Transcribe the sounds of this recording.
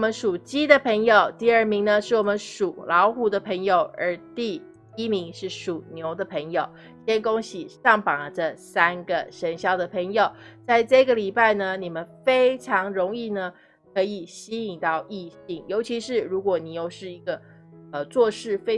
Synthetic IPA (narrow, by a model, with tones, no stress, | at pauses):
mə˦nʂu˨˩t͡ɕi˥d̪ə˨pʰə˧˥ŋjo˨ʊt̪i˥˧ə˞˥˩mi˧˥ŋnə˧ʂɻ̩˥˩wɔ˨˩mə˦nʂu˨˩lɑ˧˥ʊxu˧˥d̪ə˧pʰə˧˥ŋjo˨˩ʊə˧˥t̪i˥˧ | i˥mi˧˥ŋʂɻ̩˥˩ʂu˨˩njo˧˥ʊd̪ə˧pʰə˧˥ŋjo˨˩ʊ | ɕjɛ˥nkʊ˥ŋɕi˨˩ʂɑ˥˩ŋpɑ˨˩ʈ͡ʂə˥˧sa˥nɡə˨ʂə˧˥nɕjɑ˥ʊd̪ə˨pʰə˧˥ŋjo˨˩ʊt͡sa˥˧ɪʈ͡ʂɤ˥˩ɡə˩li˨˩pa˥˩ɪnə˩ni˨˩mə˦nfe˥ɪʈ͡ʂʰɑ˧˥ŋɻʊ˧˥ŋi˥˩nə˩ | kʰɤ˧˥i˨˩ɕi˥i˨˩ŋt̪ɑ˥˧ʊi˥˧ɕi˥˩ŋjo˧˥ʊt͡ɕʰi˧˥ʂɻ̩˥˩ɻu˧˥kwɔ˨˩ni˨˩jo˥˧ʊʂɻ̩˥˩i˧˥ɡə˧ | ə˧t͡swɔ˥˧ʂɻ̩˥˩fe˥ɪ